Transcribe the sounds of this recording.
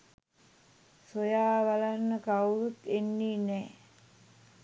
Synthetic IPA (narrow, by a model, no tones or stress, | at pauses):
sojaːʋalanːəkawɾut̪enːiːnɛː